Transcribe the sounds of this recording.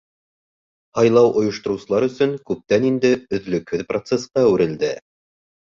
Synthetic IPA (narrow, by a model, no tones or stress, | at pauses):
hɑjlˠɑwʔŏjŏʃt̪ŏɾŭwsɤ̆lˠɑɾɵ̆sɵŋkʉp̚t̪ænind̪ɘɵ̆ðlɵ̆khɵðprot̪sesqɑʉɾɘ̆ld̪ɘ